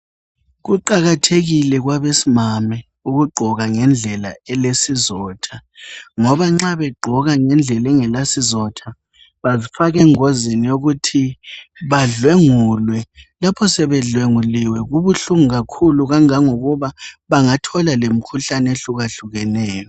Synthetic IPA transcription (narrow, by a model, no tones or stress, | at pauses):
ɣuǃaɣatʰeɣilɛɣwaβesimamɛ | uɣuɡ͡ǃʱɔɣaŋɛnd͡ɮʱɛla̰ɛlesizɔːtʰaŋɔβaŋ͡ǁaβɛɡ͡ǃʱɔɣaŋɛnd͡ɮʱɛlɛŋɛlasizɔtʰa | βazifaɣɛŋozinioɣutʰiβaɮweŋuːlwɛlapʰɔsɛβɛɮweŋuliwɛɣuβuɬuŋuɣakʰuluɣaŋaŋoɣuβaβaŋatʰɔlalem̩kʰuɬaneɬuɣaɬuɣɛnɛːjɔ